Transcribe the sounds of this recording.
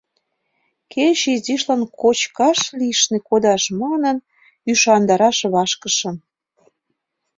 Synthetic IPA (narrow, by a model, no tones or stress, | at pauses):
kʰeʃiziʃlɑnkot͡ɕkɑʃliʃnekod̪ɑʃmɑnən | yʃɑnd̪ɑɾɑʃβɑʃkəʃə̆m